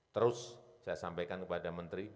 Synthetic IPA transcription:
t̪əɾʊsːajasampajkankəpadamənt̪ɾi

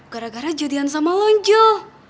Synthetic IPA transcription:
ɡ̥aɾaɡaɾad͡ʒɔdians̬amalɔnd͡ʒɔ

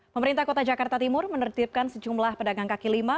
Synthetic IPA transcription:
pəməɾint̪ahkot̪ad͡ʒakart̪at̪imʊrmənərt̪ip̚kansəd͡ʒumlahpədaɡaŋkakilima

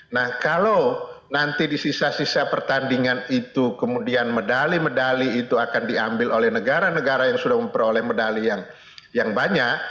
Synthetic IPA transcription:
nahkalawnant̪idisisasisapərt̪andiŋanit̪ukəmudianmədalimədaliːt̪uakandiambɪlʔolɛhnəɡaɾanəɡaɾajaŋsudahməmpəɾolɛhmədalijaŋ | jaŋbaɲaʔ̚

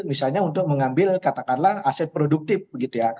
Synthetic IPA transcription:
misalɲaunt̪ʊk̚məŋambɪlkat̪akanlahasɛt̪̚pɾoduk̚t̪ɪf̚bəɡit̪uja

